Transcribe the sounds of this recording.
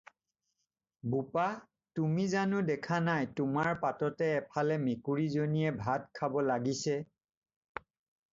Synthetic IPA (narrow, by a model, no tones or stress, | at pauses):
bupa | tumizanʊdɛkʰanajtʊmaɹpatɔtɛːpʰalɛmekuɹizonijɛbʱatkʰabɔlaɡisɛ